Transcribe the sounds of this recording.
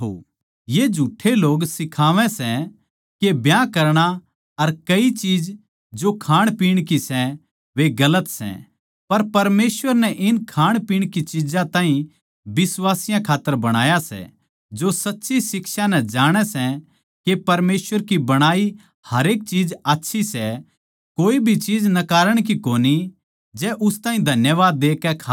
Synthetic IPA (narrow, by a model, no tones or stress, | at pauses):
o̰ | jed͡ʒʱuːʈʰːeloːɡsɪkʰaːʋɛ̃sɛ | kebjãkɐɾɽ̃a | ɐɾkɐit͡ʃiːd͡ʒ | d͡ʒokʰaːɽ̃piːɽ̃kisɛ | ʋeɡɐlət̪sɛ̰̃ | pɐɾpɐɾmeːsʋəɾnɛʔɪnkʰaːɽ̃piːɽ̃kit͡ʃɪd͡ʒãt̪ãːĩ | bɪswaːsɪjãkʰaːt̪ːəɾbɐɽ̃aːjasɛ̰ | d͡ʒosɐtːʃisɪkʃanɛd͡ʒaːɽ̃ɛsɛ̃ | kepɐɾmeːsʋəɾkibɐɽ̃aːi | hɐɾeːk̚t͡ʃiːd͡ʒaːtːʃʰisɛ | koːibʱit͡ʃiːd͡ʒnɐkaːɾəɽ̃k̬ikoːni | d͡ʒɛʔʊst̪ãːĩd̪ʱɐnjəʋaːd̪ːeːkːɛkʰa